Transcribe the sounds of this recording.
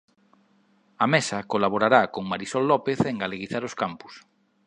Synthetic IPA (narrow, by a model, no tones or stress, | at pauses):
ɐmesɐkolaβoɾaɾakoŋmaɾisɔlːɔpeθeŋɡaleɣiθaɾoskampu̥s